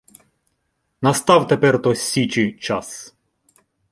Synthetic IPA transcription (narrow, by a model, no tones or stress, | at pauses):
nɐst̪ɑwt̪epɛrt̪ɔsʲːit͡ʃit͡ʃɑs